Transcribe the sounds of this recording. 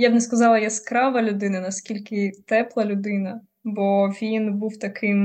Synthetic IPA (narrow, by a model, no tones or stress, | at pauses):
jabnɛskɐzɑlˠɐjɛskɾɑʋɐlʲʊd̪ɪnɐnɐskʲilʲkɪt̪ɛplˠɐlʲʊd̪ɪnɐ | bɔʋʲinbuwt̪ɐkʰɪm